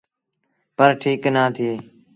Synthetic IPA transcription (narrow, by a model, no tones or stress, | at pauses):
pəɾʈʰiːknaːt̪ʰeː